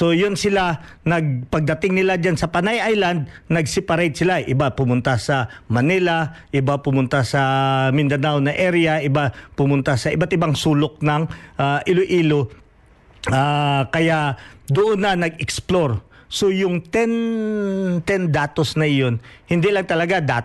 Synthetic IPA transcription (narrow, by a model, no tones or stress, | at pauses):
so̞jonsɪla | nɐɡ̚pɐɡ̚d̪ɐt̪ɪŋnɪlad͡ʒansɐpanajʔajland̪̚nɐɡsɛpɐɾajt̪̚sɪlaʔɪbapʊmʊnt̪asɐmɐnɪlɐʔɪbapʊmʊnt̪asɐmɪnd̪ɐnawnɐʔɛɾɪjɐʔɪbapʊmʊnt̪asɐʔɪbat̪ʔɪbaŋsuːlok̚nɐŋʔaʔɪloʔiːlo | akɐjaʔd̪ʊʔonːɐnɐɡɛksploɹ | sojʊŋt̪ɛn | t̪ɛnd̪aːt̪o̞snɐɪjo̞nhɪnd̪ilɐŋt̪ɐlɐɡad̪a